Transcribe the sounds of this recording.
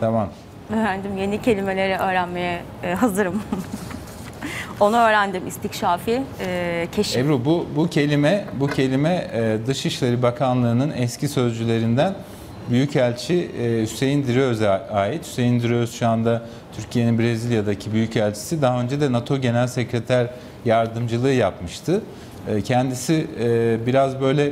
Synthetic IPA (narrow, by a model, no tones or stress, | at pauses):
t̪ʰamam | øːɾænd̪imje̞nicʰe̞lʲime̞lʲe̞ɾɛʔø̞ːɾænme̞jɛ | ɦazɯɾɯm | o̞nuøːɾænd̪imist̪ʰicʃaːfi | cʰeʃɛbɾububucʰe̞lʲimɛbucʰe̞lʲimɛd̪ɯʃɯʃlʲˠeɾibakʰanlˠaɾɯnɯnɛscʰisø̞zd͡ʒylʲe̞ɾind̪æn | byjycælʲt͡ʃʰihyse̞jind̪iɾiøzaːjit̪hy̥se̞jind̪iɾijoɾzʃuand̪a | t̪ʰyɾcʰije̞ninbɾe̞zilʲjad̪acʰibyjycælʲt͡ʃʰi̥sid̪aɦaø̞nd͡ʒed̪ɛnat̪ʰo̞ɟe̞nælʲsecɾet̪ʰæɾ | jaɾd̪ɯmd͡ʒɯlˠɯːjapmɯʃt̪ʰɯ | cʰɛnd̪isibiɾazbø̞jlʲɛ